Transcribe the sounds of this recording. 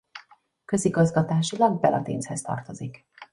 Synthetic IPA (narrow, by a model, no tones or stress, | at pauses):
kø̞ziɡɒzɡɒt̪aːʃilɒɡ̚bɛlʔɒ̰t̪ḛːnshɛst̪ɒ̰rt̪o̞zik